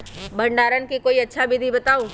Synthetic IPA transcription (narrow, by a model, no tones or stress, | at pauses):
bə̃ɳɖaːɾənkikoːiɐtːʃʰabɪd̪ʱibɐt̪aːũ